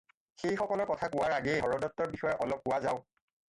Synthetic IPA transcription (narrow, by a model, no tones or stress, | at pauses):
xejxɔkɔlɔɹkɔtʰakʊwaɹaɡɛɦɔɹɔdɔtːɔɹbixɔjɛʔɔlɔp̚kʊwazaʊ